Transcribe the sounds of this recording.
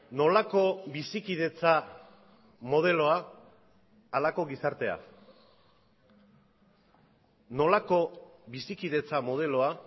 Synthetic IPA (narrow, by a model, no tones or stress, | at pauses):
no̞lako̞βisikið̞e̞t͡sa | mo̞ð̞e̞lo̞a | lako̞ɣisaɾt̪e̞a̰ | no̞lako̞βisikiðe̞t͡samo̞ð̞e̞lo̞a